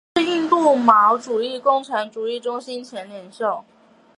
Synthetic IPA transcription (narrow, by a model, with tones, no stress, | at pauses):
i˥˧nt̪u˥˩mɑ˧˥ʊʈ͡ʂu˨˩i˥˩kʊ˥ŋʈ͡ʂʰɑ˧˥ŋʈ͡ʂu˨˩i˥˩ʈ͡ʂʊ˥ŋɕi˥nt͡ɕʰjɛ˧˥nljɛ˨˩nʂo˥˩ʊ